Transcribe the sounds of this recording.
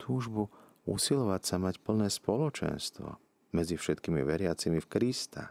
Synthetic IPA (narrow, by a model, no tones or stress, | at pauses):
t̪ʰuːʒbu | ṵsilɔʋacsamacpl̩nɛːspɔlɔt͡ʃɛ̰nst̪ʋɔ̰ | mɛd͡zifʃɛt̪kiːmḭʋɛɾɪat͡simifkɾist̪ʰa̰